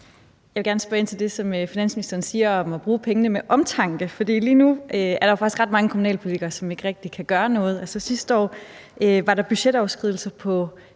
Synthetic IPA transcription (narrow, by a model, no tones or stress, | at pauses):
jɑɪʋeɡæɐnəsb̥ɐe̝n̰t͡sʰe̝ld̥e̝sɒ̽møfinæn̰sminisd̥ɐːnsiːɐɒ̽mɒb̥ʁuːpʰeŋənəmeʔɒ̽mt͡sʰɑ̈ŋ̰ɡ̥əfɒ̽d̥ḭːliːnuʔøæɐɾɑ̈joɑ̈ɡ̥isɡ̥ʁɑ̈d̥mɑ̈ŋəkʰomunɛ̰ːlpʰo̝lit͡sʰiɡ̥ɐːsɒ̽me̝ɡ̥əʁɛɡ̥̚d̥ikʰæɡ̥ɶːɐnɔ̽ːð̞̩ˠɒsɒsisd̥əɒ̰ːʔøʋɑ̈ɾɑ̈b̥yɕed̥ɒʊsɡ̥ʁiðˠl̩sɐpʰɒ̽